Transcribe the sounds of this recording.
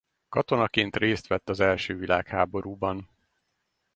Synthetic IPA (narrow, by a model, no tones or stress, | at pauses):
kɒt̪o̞nɒkeːnt̪reːst̪ʋɛt̪ːɒzɛlʃøːvilʔa̰ːkhaːbo̞ɾuːbɒn